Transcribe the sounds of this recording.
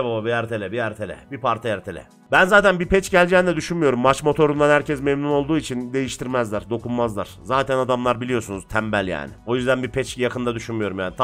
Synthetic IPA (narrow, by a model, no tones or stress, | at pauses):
bababiɛɾt̪ʰe̞lʲɛbiæɾt̪ʰe̞lʲɛ̰bipʰaɾt̪ʰajɛɾt̪ʰelʲɛ̰ | bænzaːt̪ʰænbipʰɛt͡ʃɟælʲd͡ʒɛːind̪ɛd̪yʃynmijo̞ɾumːat͡ʃmo̞t̪ʰo̞ɾund̪anhæɾcʰɛsmemnuno̞lˠd̪uːit͡ʃʰind̪e̞jiʃt̪ʰiɾmæzlʲæɾd̪o̞kʰunmazlˠa̰ɾ̥zaːt̪ʰænad̪amlˠaɾbilʲijo̞sunuz̥t̪ʰæmbælʲja̰ːnɪ̰o̞jyzd̪ænbipʰɛt͡ʃjakʰɯnd̪ad̪yʃynmyjo̞ɾumjaːnit̪ʰ